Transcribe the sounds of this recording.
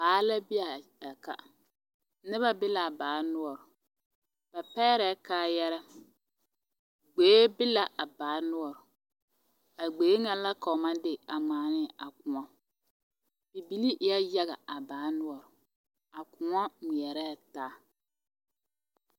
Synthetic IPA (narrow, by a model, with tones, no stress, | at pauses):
baː˨˦la˦bɪ˦a˨a˨ka̰˨ | nɪ˦βa˦bɪ˦la˨baː˨˦nʊ˦ɔ˨ɾʊ˨ | b̥a˨pɛ˦ɾɛ˨˦kaː˦jɛ˦ɾɛ˦ | ɡ͡beː˨˦bɪ˦la˨ʔa˨baː˨˦nʊ˦ɔ˨ɾʊ˨ | a˨ɡ͡be˨˦ŋa˦la˦ka˨ʊ˨ma˦dɪ˦˨a˨ŋ͡maː˨nɪ˦˨a˨kʊ˨ŋɔ˦ | bi˨bi˨˦li˦ʔja˦ja˦ɣa˨a˨baː˨˦nʊ˦ɔ˨ɾʊ˨ | a˨kʊ˨ŋɔ˦ŋi˨ɛ˨ɾɛː˦˨taː˦